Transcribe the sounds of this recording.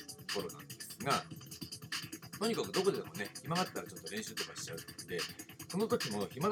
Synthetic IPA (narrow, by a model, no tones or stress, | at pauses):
oko̞ɾo̞nã̰nd̪e̞sɨɡa | t̪o̞ɲ̟ikakɯ̟d̪o̞ko̞d̪emo̞ne̞çimamat̪t̪ːaɾat͡ɕo̞t̪ːo̞ɾẽ̞ɕɨːt̪okaɕi̥t͡ɕaɯ̟t̪d̪e̞so̞not̪o̞kʲimo̞çima